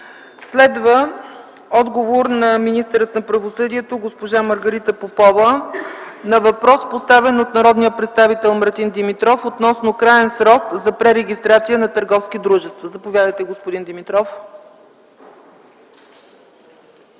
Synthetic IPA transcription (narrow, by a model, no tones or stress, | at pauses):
slɛd̪və | ɔd̪ɡovoɾnɐminist̪əɾət̪nɐpɾɐvosɤd̪iɛt̪oɡospoʒaməɾɡəɾit̪əpopɔvə | nɐvɐpɾɔspost̪avɛnot̪nɐɾɔd̪nijəpɾɛt̪st̪avit̪ɛlˠmɐɾt̪ind̪imit̪ɾɔfot̪nɔsnokɾaɛnsɾɔkzɐpɾɛɾɛɡʲist̪ɾat̪sijənɐt̪əɾɡɔfskid̪ɾuʒɛst̪vɐzɐpovʲjad̪əjt̪ɛɡospod̪ind̪imit̪ɾɔf